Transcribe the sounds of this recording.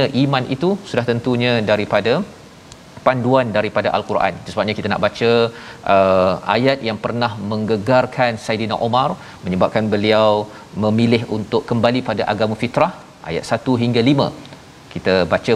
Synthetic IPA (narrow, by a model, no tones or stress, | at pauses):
aʔimãnʔḭt̪usudaht̪ənt̪uɲãdaɾipada | panduandaɾipadaʔa̰lkuɾʔa̰nsəsəbap̚ɲãkit̪ana̰ʔbat͡ʃaʔəʔa̰jat̪̚jaŋpərnahmə̃ŋɡəɡarkʰansajdina̰ʔomar | mə̃ɲəbap̚kanbəliaw | mə̃milɪɦunt̪ʊʔkːəmbalipadaʔaɡamãfit̪ɾah | ʔa̰ja̰t̪̚sat̪uɦiŋɡalimã̰ | kit̪abat͡ʃa